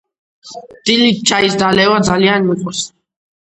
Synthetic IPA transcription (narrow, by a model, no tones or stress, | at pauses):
d̪̥ilit͡ʃʰaisd̪alɛwad̪zalianmiqʼɔs